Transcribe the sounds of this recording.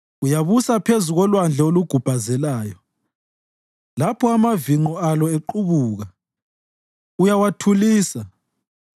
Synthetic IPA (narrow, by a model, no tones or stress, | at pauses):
ujaβusapʰezuɣɔlwand͡ɮʱɛoluɡ̥ʱub̥ʱazɛlaːjɔ | lapʰɔamaviŋ͡ǃɔalɔeǃuβuːɣa | ujawatʰuliːsa